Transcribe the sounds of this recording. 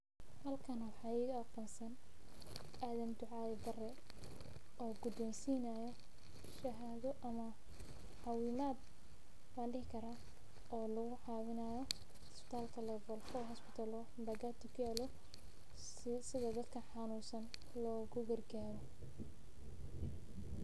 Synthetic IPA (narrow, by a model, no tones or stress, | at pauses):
hɐlkʰɐnɐwɑħɑːiːɣɐɐqɔːnsɐn | ʔaðɐnd̪ʊʕɑːðɛd̪ɐrɛ | ɔːɡʊd̪ɔnsiːnajɔ | ʃɐɦaːðɔʔɐmɐ | ħɑwiːmaːd̪ | lɐnɖɪɦɪkʰɐɾaː | ɔːlɔɣʊʕɑːwɪnaːjɔ | hɔspɪ̥t̪ʰaːlkʰɐlɛvɔlfɔɦɔspɪt̪ʰaːlɔ | mbɐɡaːt̪ʰʊkʰʊjɛːlɔ | sɪðɐd̪ɐd̪kʰɐħɑnuːsɐn | lɔːɣʊɡɐrɡaːɾɔ